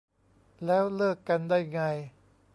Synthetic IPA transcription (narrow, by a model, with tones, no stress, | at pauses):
lɛː˦˥wlɤː˥˩kːa˧ndaː˥˩jŋa˧j